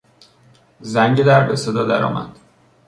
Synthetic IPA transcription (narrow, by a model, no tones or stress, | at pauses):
zæŋɟed̪æɾbesed̪ɒːd̪æɾɒ̰ːmʔæ̰d̪̥